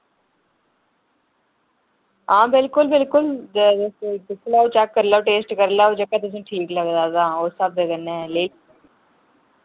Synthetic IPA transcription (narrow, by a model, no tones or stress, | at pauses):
ãːbɪlkʊlbɪlkʊl | t̪ɪsʰlaːoːt͡ʃɛkːəɾlaːoːʈeːsʈkəɾlaːoːd͡ʒəkːãːt̪ʊs̬ĩːʈʰiːkləɡd̪aːd̪ãːoːsəb̚d̪eɡənɛ̃ːleː